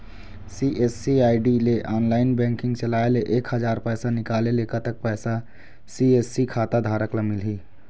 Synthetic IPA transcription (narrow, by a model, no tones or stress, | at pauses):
siʔesːiaːɪɖileʔaːnlaːɪnbɛ̃ŋkɪ̃ŋɡt͡ʃəlaːeleʔeːkɦəd͡ʒaːɾpɛːsanɪkaːlelekət̪ək̚pɛːsa | siesikʰaːt̪ad̪ʱaːɾəklamɪlɦiː